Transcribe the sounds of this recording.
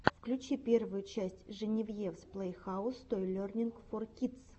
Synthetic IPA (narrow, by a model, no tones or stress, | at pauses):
fklʲʉt͡ɕipʲe̞rvʊjʊt͡ɕæsʲtʲʐɨnʲɪvjefsplˠejxaʊst̪ojɪlʲornʲɪnkforkʲit̪s